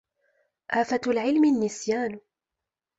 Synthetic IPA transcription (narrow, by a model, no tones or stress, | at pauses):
ʔaːfat̪lʕɪlmɪnːɪsjaːn